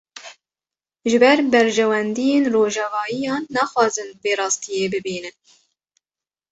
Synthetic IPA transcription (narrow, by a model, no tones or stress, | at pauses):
ʒɨbɛɾbɛɾʒɛwɛnd̪ijeːnroːʒɑvɑːjijɑːnːɑːxwɑːzɨnbeːɾɑːst̪ijeːbɨbiːnɨn